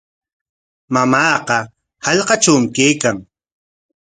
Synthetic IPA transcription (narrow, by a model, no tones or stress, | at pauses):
mamɑːqɑ | hɑʎqɑt͡ʃawmɪkejkaŋ